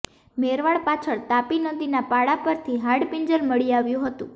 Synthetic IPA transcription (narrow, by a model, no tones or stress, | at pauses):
meɾʋaɭpat͡ʃʰəɭt̪apinəd̪inapaɽapəɾt̪ʰiɦaɽpiɲd͡ʒəlməɭiaʋjũɦət̪ṵ̃